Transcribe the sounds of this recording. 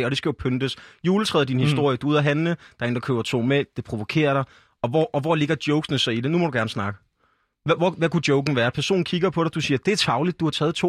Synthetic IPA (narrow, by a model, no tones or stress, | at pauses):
ɒɾ̥e̝sɡ̥æjo̝pʰønd̥əsjuːlət͡sʰʁɛ̰ːðˠd̥inhisd̥o̝ɐ̰jəd̥uuð̰ˠɐɦænləd̥ɑ̈e̝nd̥ɑkʰø̰ːɐt͡sʰo̝̰ːmed̥e̝pʰʁo̝ʋo̝kʰe̝̰ːɐɾ̥ɑ̈ɪ | ɒ̽ʋɒʔːʋɒle̝ɡ̥ɐd̥jɔʊɡ̥snəsɑ̈ɪide̝numɒ̽ɾ̥uɡ̥æɐnəsnɑ̈ɡ̥ə | ʋʋɒʋækud̥jɔʊɡ̥n̩ʋæːɐpʰæɐso̝̰ːn̩kʰiɡ̥ɐpʰɒ̽ɾ̥ɑ̈d̥usiːɐd̥e̝æɐt͡sʰɑ̈ʊlid̥̚ːuhɑ̈t͡sʰɛːð̩ˠt͡sʰo̝̰ː